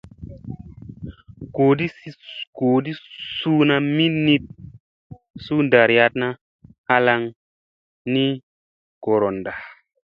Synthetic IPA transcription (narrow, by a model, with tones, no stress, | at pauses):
ɡ̥o˨di˦ɡ̥oː˨di˦suː˦na˧mi˦nːi˦t̚ | su˦nda˨ɾja˧˦t̚na˦ | ha˦la˧ŋ | ni˦ | ɡ̥o˨ɾo˨nda˨